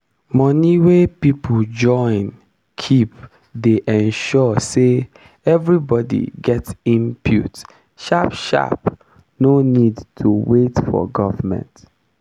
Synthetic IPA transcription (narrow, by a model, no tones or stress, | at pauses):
mɔniwepipʰl̩d͡ʒɔ̃ɪ̃n | kʰip | deʔɛ̃nʃɔse | ɛvɹibɔdḭɡɛtsĩmpʰjṵt | ʃapʃa̰p | nonidtʰuwetfɔ̰ɡɔvəmɛ̰̃nt